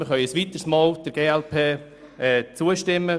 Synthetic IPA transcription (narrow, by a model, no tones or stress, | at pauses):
məχœʏəsʋit̪əɾsmɑːld̥əɾɡ̥eːɛlpʰeː | ɛt͡suəʃtɪmːə